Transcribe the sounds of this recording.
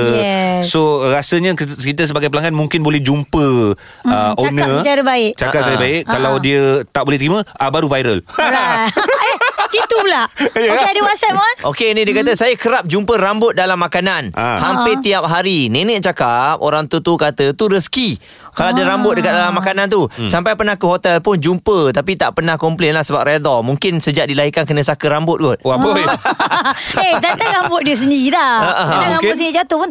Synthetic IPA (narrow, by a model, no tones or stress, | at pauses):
soɾasəɲə̃kit̪əs̬əbaɡajpəlaŋɡanmũŋkɪnbolɛhd͡ʒumpə | əʔonə̃d͡ʒaɾəbaɪʔt͡ʃakap̚sajəbaɪʔkalawdiət̪aʔbolɛht̪əɾimə̃əbaɾuvajɾə̰lɾa | it̪ulajəadiwasat̪̚mɔsokenidiəkat̪əsajəkəɾap̚d͡ʒumpəɾambʊt̪̚dalamːakananʔa̰hampet̪iap̚ɦaɾinɛnɛʔ̚t͡ʃakap̚o̰ɾaŋt̪ut̪ukat̪ət̪uɾəski | kalaadəɾambʊt̪̚dəkat̪̚dalamːakanãnt̪̬usampajpənahkəɦot̪ɛlpʊnd͡ʒumpət̪apit̪a̰ʔpənahkɔmplɛnlahsəbap̚ɾed̪ɔmũŋkɪnsəd͡ʒaʔ̚dilaɦikankənə̃s̬akəɾambʊt̪̚ɡʊt̪̚ | et̪at̪aŋabʊt̪̚diəs̬əndiilaəʔəaŋamʊt̪sənid͡ʒat̪ʊhpʊn